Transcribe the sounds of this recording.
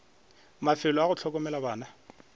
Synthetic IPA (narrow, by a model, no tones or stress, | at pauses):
mafɪlɔaɣʊt͡ɬʰɔk̬ʼɔmɛlabaːna